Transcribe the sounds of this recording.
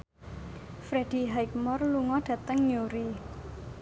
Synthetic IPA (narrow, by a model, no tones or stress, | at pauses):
fɾed̥i̤ɦajk̚mɔrluŋɔɖ̥ä̤t̪əŋɲoɾi